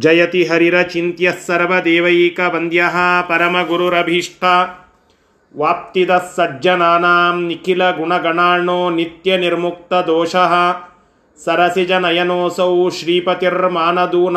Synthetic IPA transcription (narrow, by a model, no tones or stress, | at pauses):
d͡ʒɐjɐt̪iɦɐɾiɾɐt͡ʃint̪jɐsːɐɾʋɐd̪eːʋɐjiːkɐbɐnd̪jɐɦɐpɐɾɐmɐɡuɾuɾɐbʱiʂʈʰɐ | ʋaːp̚t̪id̪ɐsːɐd͡ʒd͡ʒɐnaːnaːmnikilɐɡuɳɐɡɐɳaːɾɳoːnit̪jɐniɾmuk̚t̪ɐd̪oːʃɐɦɐ̆ | sɐɾɐsid͡ʒɐnɐjɐnoːsɐwʃɾiːpɐt̪iɾmaːnɐd̪uːn